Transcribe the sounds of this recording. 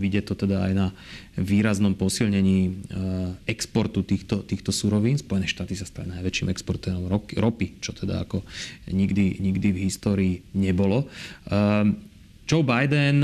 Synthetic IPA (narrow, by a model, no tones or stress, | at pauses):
ʋiɟɪjɛt̪ɔt̪ɛd̪aa̰jna | ʋiːɾaznɔmpɔsilɲɛɲiː | ɛkspɔɾt̪ut̪iːxt̪ɔt̪iːxt̪ɔsuɾɔʋiːnspɔjɛnɛːʃt̪aːt̪isast̪alinajʋɛt͡ʃiːmɛkspɔɾt̪ɛːɾɔmɔkɾɔpit͡ʃɔt̪ʰɛd̪a̰a̰kɔɲiɡd̪iɲiɡd̪ivɦist̪ɔːɾiːɲɛbɔlɔ | d͡ʒɔʊbajd̪ɛn